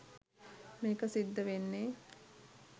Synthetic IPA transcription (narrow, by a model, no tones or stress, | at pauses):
meːkəsid̪ːəʋenːeː